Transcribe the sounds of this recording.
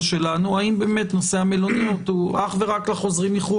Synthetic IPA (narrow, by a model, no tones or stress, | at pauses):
ʃe̞lanuaimbe̞ːme̞t̪no̞se̞amelo̞nijotuaχve̞ʁaklaχo̞zʁimliχu